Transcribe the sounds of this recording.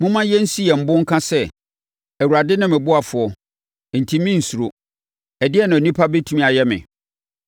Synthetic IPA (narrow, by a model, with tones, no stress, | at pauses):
mʊ̃˦mã˦jɛ˦n̩˦si˦jɛ˨m̩˦bʊ̃˦ŋ̩˦kʰã˦sɛ˦ | æ˨wu˨ɾa˨dɪ˦nɪ̃˦mɪ̃˨bʊ˦a˨fʊ˨ɔ˨ | n̩˨tʰi˦mɪ̃˦n̩˨su˨o˨ | ɛ˨dɪ˦ɛ˦nã˨nĩ˦pʰa˦be˦tʰu˦mĩ˦˨a˨jɛ˦mɪ̰̃˨